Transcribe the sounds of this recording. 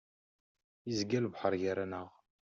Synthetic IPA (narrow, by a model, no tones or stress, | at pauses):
izɡælbħəɾˤjaɾænəʁ